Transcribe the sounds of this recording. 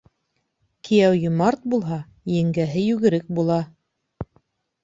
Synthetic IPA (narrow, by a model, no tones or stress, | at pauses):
kʰijæwjŏmɑɾt̪̚bulˠɦɑ | jɘ̆ŋɡæɦɘjʉɡɘ̆ɾɘk̚bulˠɑ